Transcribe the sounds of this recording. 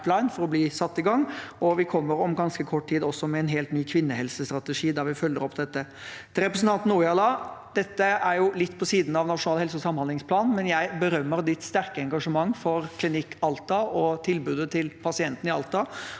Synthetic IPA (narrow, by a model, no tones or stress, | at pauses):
t̪lɑɪnfɔɾɔbliːsɑt̪ːɪɡɑŋːɔʋɪkʰɔmːəɾɔmɡɑnskəkʰɔʈ̚ːt̪ʰiːd̪ɔsːɔmɛɛnɦeːlt̪nyːkʰʋɪnːəhɛlsəst̪ɾɑt̪əʂiːd̪ɑɾʋɪfœlːəɾɔpːd̪ɛt̪ːə | t̪ʰɪɾɛpɾəsn̩t̪ɑnt̪n̩uːɪɑlɑːd̪ɛt̪ːəæɾjʊlɪt̪ːpʰɔsiːd̪n̩ɑʋnɑtʂʊnɑːlɛlsəɔsɑmːhɑnd̪ɪŋspʰlɑːnn̩mɛnjæɪbəɾœmːəɾd̪ɪt̪st̪æɾkəɛŋɡɑʂəmɑŋːfɔɾkʰlɪnɪkʰːɑlt̪ɑɔt̪ʰɪlbʉːd̪ət̪ʰɪlpʰɑsɪɛnt̪n̩ɪɑlt̪ɑ